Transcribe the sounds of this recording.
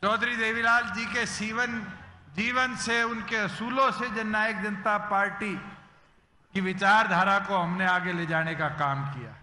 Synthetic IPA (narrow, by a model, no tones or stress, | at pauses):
t͡ʃɔːd̪ʱɾid̪eːʋilaːld͡ʒiːkesiːʋənd͡ʒiːʋənseʊnkeɐsuːlõsed͡ʒɐnːaːjək̚d͡ʒɐnt̪apaːɾʈi | kiʋɪt͡ʃaːɾd̪ʱaːɾakoɦɐmneaːɡeled͡ʒaːnekakaːmkija̰ː